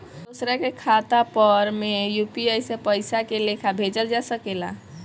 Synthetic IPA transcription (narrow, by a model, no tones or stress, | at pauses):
d̪osɾakekʰat̪apəɾmejupiəjsepəɪsakelekʰabʱed͡ʒəɾd͡ʒasəkela̰